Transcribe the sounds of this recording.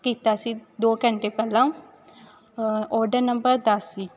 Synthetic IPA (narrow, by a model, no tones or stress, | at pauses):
kiːt̪asid̪oːkə̃ɳʈepɛːlãːũ | ɔːɾɖəɾnə̃mbəɾd̪əsiː